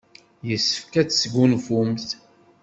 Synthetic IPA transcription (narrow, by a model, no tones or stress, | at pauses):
jəsːə̥fkæt͡sːsɡʷunfumθ